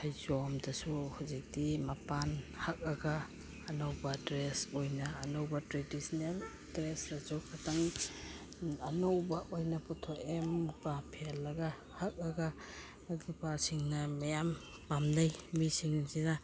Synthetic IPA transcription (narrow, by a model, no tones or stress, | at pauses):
hajzɔmdɐsuhawzik̚dimapanhak̚ɐɡaː | nowbɐdɾesojnɐːnowbɐtɾedisɔnel | dɾesɾazukʰataŋ | ɐnowbɐʔojnɐpɔtʰokempapʰelːɐɡa | hak̚ɐɡaː | ɡipaɾsiŋnɐmɐjam | pamdajmisiŋsina